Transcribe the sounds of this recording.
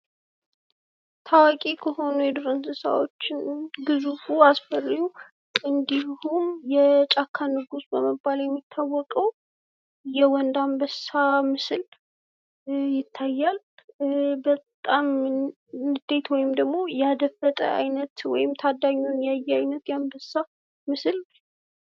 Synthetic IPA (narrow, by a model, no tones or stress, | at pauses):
t̪ʰawakʼikʰəho̞nujɛd̪oɾənsɨsa̰wot͡ʃːɪnɡɨzufuasfərju | ɨnd̪ihumjɛt͡ʃʼakʰːanɨɡusbəməbːaljɛmːit̪ʰːawːɔkʼəw | jɛwɔnd̪ambəssamɨsɨl | jɪt̪ʰːajːal | bət̪ʼam | nɨd̪̥e̞t̪wɔjɪmd̪əɡmo̞jɛad̪əfət̪ʼə̰ʔa̰jnət̪wɔ̰jɪmt̪ʰad̪ːaɲːunjajːɛajnət̪jambəsːa | mɨsɨl